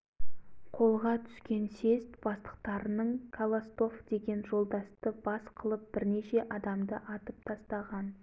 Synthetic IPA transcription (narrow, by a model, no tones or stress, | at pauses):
qʰo̞lˠʁɑt̪ʰʏ̥skʲe̞nse̞st̪b̥ɑst̪ə̥q̚t̪ɑɾənəɴkʰalˠost̪o̞fd̪e̞ɡʲe̞nʒo̞lˠd̪ɑst̪əbɑsqʰəlˠəp̚b̥ɪɾne̞ʃe̞ʔɑd̪ɑmd̪əʔɑt̪əp̚t̪ʰɑst̪ɑʁɑn